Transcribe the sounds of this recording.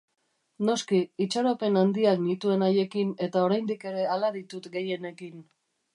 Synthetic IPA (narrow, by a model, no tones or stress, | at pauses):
no̞skiːt͡ʃaɾo̞pe̞nand̪iaknit̪ue̞naje̞kine̞t̪ao̞ɾajnd̪ike̞ɾe̞alaðit̪ut̪ɡe̞je̞ne̞kin